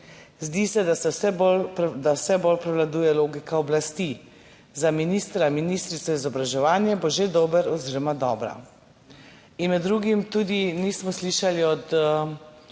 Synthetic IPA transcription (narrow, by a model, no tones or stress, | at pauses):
zd̪iːsɛd̪asɛsɛbold̪awsɛbolpɾɛwlad̪uːjɛloːɡikaɔblast̪i | zaminiːst̪ɾaminist̪ɾit͡s̪ɔizɔbɾaʒɛʋaːnjɛboʒed̪obəɾɔziːɾɔmad̪ɔːbɾa̰ | inmɛd̪ːɾuːɡimt̪uːd̪iniːsmɔsliʃaliɔt̪ə